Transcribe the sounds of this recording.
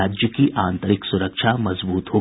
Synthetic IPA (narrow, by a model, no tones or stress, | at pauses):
aːd͡ʒjəkiʔãːnt̪əɾɪksʊɾəkʃʰamɐzbuːt̪ɦoː